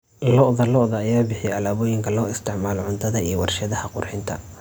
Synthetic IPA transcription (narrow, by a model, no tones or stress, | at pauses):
lɔʔðɐlɔʔðɐːjaːbɪħɪjɛɐlaːβɔːjɪŋkʰɐlɔːɪst̪ʰɪʕmaːlʕʊnt̪ʰɐðɐijɔwɑrʃɐðɐhɐqʊrħɪnt̪ʰɐ